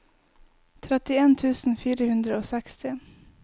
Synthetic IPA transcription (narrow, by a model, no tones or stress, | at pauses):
t̪ʰɾɛt̪ːɪɛnt̪ʰʉ̟ːsn̩fyːɾəhɵnd̪ɾaɔsɛkst̪ɪ